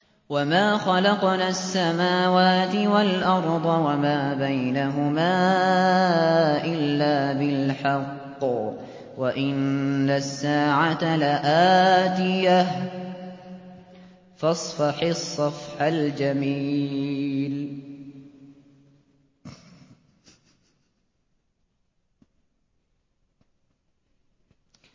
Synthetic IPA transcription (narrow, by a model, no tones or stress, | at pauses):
wamaːxɑlɑqnaːsːamaːwaːt̪ɪwalʔɑɾˤd̪ˤɑwamaːbajnaɦʊmaː | ʔɪlːaːbɪlħɑqː | waʔɪnːasːaːʕat̪alaʔaːt̪ɪja | fɑsˤfɑħɪsˤːɑfħald͡ʒamiː | l